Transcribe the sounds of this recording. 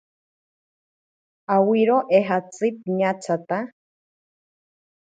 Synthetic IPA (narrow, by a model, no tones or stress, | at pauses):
awiɾoʔeɦat͡sɨp̚ɲat͡sat̪a